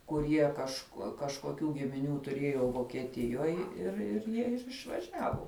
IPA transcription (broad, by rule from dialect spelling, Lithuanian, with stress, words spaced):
kʊˈrʲiɛ kɐʃ kɐʃkoːˈkʲuː ɡʲɪmʲɪˈnʲuː tʊˈrʲiɛjoː ʋoːkʲiɛˈtʲɪjoːj ɪr ɪr ˈjiɛ ɪr ɪʃʋɐˈʒʲæːʋʊ